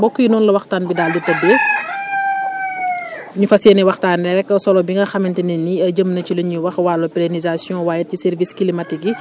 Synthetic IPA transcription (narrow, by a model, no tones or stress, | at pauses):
bɔkːujinɔːnlɐwɐxtaːnbidaːlditɐbːɛ | ɲufɐseːnɛwɐxtaːnnɛɾɛkːɐsɔlɔbiŋɡɐxɐmɛntɐnɛnːiɐɟəmnɐcilɐɲiwɐxwaːlɐpilenizasjɔ̃waːjɐt̚cisɛrviskilimɐtiɡi